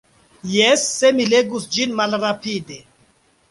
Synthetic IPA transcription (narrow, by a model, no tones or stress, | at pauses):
jesːe̞mile̞ɡusd͡ʒinmalɾapide̞